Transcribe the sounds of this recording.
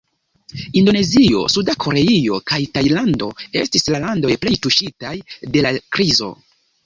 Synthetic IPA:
indo̞ne̞zio̞̰sudakʰo̞ɾe̞io̞̰kajtajlando̞̰e̞stislalando̞jple̞jtuʃitajde̞lakɾizo̞̰

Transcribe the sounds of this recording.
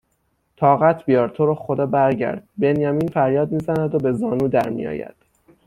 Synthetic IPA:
t̪ʰɒːɣæt̪ʰbijɒːɾt̪ʰoɾoxod̪ɒːbæɾɟæ̰ɾd̪̥̚be̞njæmiːnfæɾjɒːd̪miːzænæd̪obe̞zɒːnuːd̪æɾmḭjɒ̰ːjæ̰d̪̥

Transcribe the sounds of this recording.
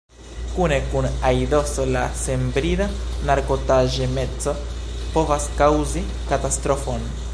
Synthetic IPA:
kune̞kunajdo̞solase̞mbɾidanaɾkotaʒemet͡sopo̞vaskawzi | katast̪ɾo̞fon

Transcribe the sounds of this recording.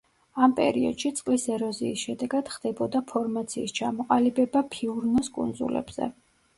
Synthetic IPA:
ampʼɛ̰ɾiɔ̰d̪̥ʃit̪sʼqʼlisɛɾɔziːsʃɛd̪ɛɡad̪̥χd̪̥ɛbɔd̪apʰɔɾmat̪sʰiːst͡ʃʰamɔqʼalibɛbapʰiuɾnɔskʼṵnd̪zṵlɛ̰bz̥ɛ̰

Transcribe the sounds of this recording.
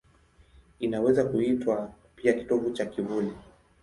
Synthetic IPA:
inawɛzakuitwa | piaki̥tɔvut͡ʃakivuli

